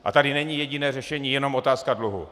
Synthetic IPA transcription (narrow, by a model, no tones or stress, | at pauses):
ʔa̰t̪adɪnɛɲiːjɛɟinɛːrɛʃɛɲiːjɛno̞mo̞t̪aːskadluɦṵ